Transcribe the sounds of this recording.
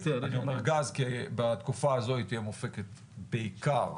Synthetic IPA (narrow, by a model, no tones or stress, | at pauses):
edaniomeʁɡazkibat̪kufaːzo̞ait̪ijemofeket̪ | beikaʁ